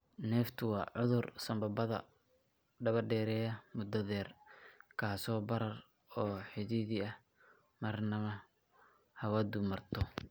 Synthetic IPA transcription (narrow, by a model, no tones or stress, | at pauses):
nɛːft̪ʰʊwɑːʕʊðʊrsɐmbɐbɐðɐ̰ | ɖɐβɐrɖɛːɾɛːjɐmʊd̪ɐðɛːrkʰaːsɔːbɐɾɐr | ɔːħɪðɪðɪɐh | mɐrnɐmɐ | hɐwɐd̪ʊmɐrt̪ʰɔ